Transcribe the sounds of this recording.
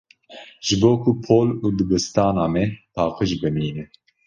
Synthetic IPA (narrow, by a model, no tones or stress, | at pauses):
ʒ̥ɨboːkupʰoːluːd̪ɨbɨst̪ɑːnɑːmɛpʰɑːqɨʒbɨmiːnɛ